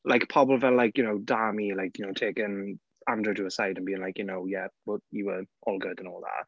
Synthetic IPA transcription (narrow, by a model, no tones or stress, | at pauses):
lʔaɪkə̥pʰɔbl̩ˠvɛlːajkjɨnoʊdamilaɪkʰjənoʊtʰeːkɪ̃n | ãndəduəsaɪdə̃nbiːɪ̃ŋlaɪkjənowjɛbəjəwəʔɔːlˠɡʊdə̃nɔːlˠða̰ʔ